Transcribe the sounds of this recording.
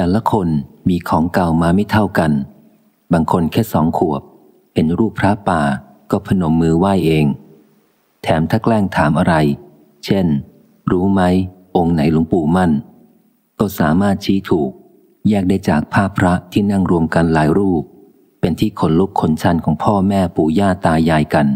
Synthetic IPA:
t̪ɛː˨˩la˧˦kʰo˧nmiː˧kʰɔː˩˦ŋka˨˩wmaː˧ma˥˩jt̪ʰa˥˩wka˧n | baː˧ŋkʰo˧nkʰɛː˥˩sɔ̰ː˩˦ŋkʰu˨˩əp̚ | he˧nɾuː˥˩pʰɾa˦˥paː˧ | kɔː˥˩pʰa˧no˨˩˦mːɯː˧waː˥˩jʔeː˧ŋ | t̪ʰɛː˩˦mt̪ʰaː˥˩klɛː˥˩ŋt̪ʰaː˩˦mʔa˧ɾa˧j | t͡ɕʰe˥˩n | ɾuː˦˥ma˦˥jʔo˧ŋna˩˦jlo˩˦ŋpuː˨˩ma˥˩n | k̪ɔː˥˩saː˩˦maː˥˩t̪̚t͡ɕʰiː˦˥t̪ʰuː˨˩k̚ | jɛː˥˩k̚daː˥˩jt͡ɕaː˨˩k̚pʰaː˥˩pʰɾa˦˥t̪ʰiː˥˩na˥˩ŋɾu˧əmka˧nlaː˩˦jɾuː˥˩p̚ː | e˧nt̪ʰiː˥˩kʰo˩˦nlu˦˥p̚kʰo˩˦nt͡ɕʰa˧nkʰɔː˩˦ŋpʰɔː˥˩mɛː˥˩puː˨˩jaː˥˩t̪aː˧jaː˧jka˧n

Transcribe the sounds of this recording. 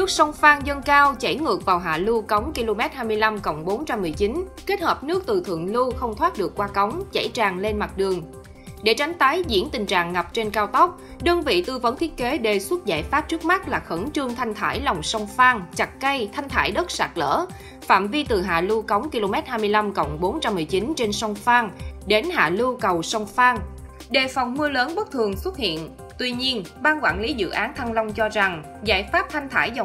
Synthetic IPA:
nɨ˦˥ək̚sə˧wŋ͡mfaː˧ŋzə˧nkaː˧wt͡ɕa˧˩jŋɨ˨˩ək̚vaː˨˩wɦa̰ː˧˨lu˧kɔ˨˦wŋ͡mki˧lo˧mɛ˦˥t̚haː˧jmɨ˧əjla˧mkə̰˧˩wŋ͡mɓo˨˦nt͡ɕa˧mːɨ˨˩əjt͡ɕi˨˦nke˦˥t̚həː˨˩p̚nɨ˦˥ək̚t̪ɨ˨˩t̪ʰɨ̰˧˨əŋlu˧xə˧wŋ͡mt̪ʰwaː˦˥t̚ɗɨ˨˩əkːwaː˧kɔ˨˦wŋ͡mt͡ɕa̰˧˩jt͡ɕaː˨˩ŋle˧nma˨˩t̚ɗɨ˨˩əŋ | ɗe˧˩t͡ɕa˨˦jŋ̟t̪aː˨˦jzḭ˧˥ənt̪ï˨˩ŋ̟t͡ɕa̰ː˧˨ŋːa˨˩p̚t͡ɕe˧nkaː˧wt̪ɔ˦˥wk͡p̚ | ɗə˧ŋvḭ˧˨t̪ɨ˧˩və˧˦nt̪ʰi˦˥ət̚ke˨˦ɗe˧˩swə˦˥t̚za̰ː˧˩jfaː˦˥p̚t͡ɕɨ˦˥k̚ma˦˥t̚laː˨˩xə˧˩nt͡ɕɨ˧əŋt̪ʰa˧jŋ̟t̪ʰaː˧˩jlɔ˨˩wŋ͡msə˧wŋ͡mfaː˧ŋt͡ɕa˨˩t̚kə˧jt̪ʰa˧jŋ̟t̪ʰaː˧˩jɗə˦˥t̚sa̰ː˧˩k̚lə̰ː˧˥ | fa̰ː˧˨mvi˧t̪ɨ˨˩ɦa̰ː˧˨lu˧kə˨˦wŋ͡mki˧lo˧mɛ˦˥t̚haː˧jmɨ˧əjla˧mkə̰˧˨wŋ͡mɓo˨˦nt͡ɕa˧mːɨ˨˩əjt͡ɕi˨˦nt͡ɕe˧nsə˧wŋ͡mfaː˧ŋɗe˨˦nɦa̰ː˧˨lu˧kə˨˩wsə˧wŋ͡mfaː˧ŋ | ɗe˨˩fa˨˩wŋ͡mmɨ˧ələː˨˦nɓə˦˥t̚t̪ʰɨ˨˩əŋswə˦˥t̚hḭ˧˨ən | t̪wi˧ɲi˧ənɓaː˧nkwa̰ː˧˩˨nli˨˦zɨ̰˧˨ʔaː˨˦nt̪ʰa˧ŋlə˧wŋ͡mt͡ɕɔ˧za˨˩ŋ | za̰ː˧˩jfaː˦˥p̚t̪ʰa˧jŋ̟t̪ʰaː˧˩jzə˨˩

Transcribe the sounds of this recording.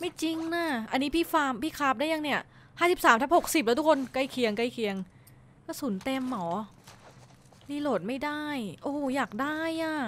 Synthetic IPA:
ma˥˩jt͡ɕi˧ŋna˧˩ʔa˧nːiː˦˥pʰiː˥˩faː˧mpʰiː˥˩kʰaː˦˥p̚da˥˩ja˧ŋni˥˩ɐ | haː˥˩si˨˩p̚saː˩˦mt̪ʰa˦˥ho˨˩k̚si˨˩p̬̚lɛ˦˥t̪ʰu˦˥kʰo˧nka˧jkʰi˨˩əŋka˧jkʰi˨˩əŋ | kɔː˥˩suː˩˦nt̪e˧mːɔː˩˦ | liː˧loː˨˩t̪̚ma˥˩jdaː˥˩jʔoː˧˩jaː˨˩k̚daː˥˩jʔaː˧˩

